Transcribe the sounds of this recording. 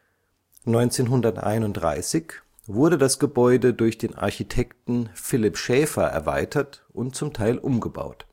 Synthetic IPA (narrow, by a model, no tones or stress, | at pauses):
nɔʏnt͡seːnɦʊndɐtʔa̰ɪnʊntdʁa̰ɪsɪç | vʊɐɾədasɡ̥əbɔʏdədʊɐçd̥eːnʔa̰ɐçitʰɛktn̩fɪlɪpʃɛːfɐ̰ʔɛ̰ɐva̰ɪtʰɐtʔʊntt͡sʊmtʰaɪlʔʊmɡəba̰ʊt